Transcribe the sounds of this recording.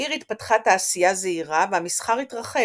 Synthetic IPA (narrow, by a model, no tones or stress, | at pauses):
iʁit̪patχataːsijazeiʁavehamisχaʁitʁaχe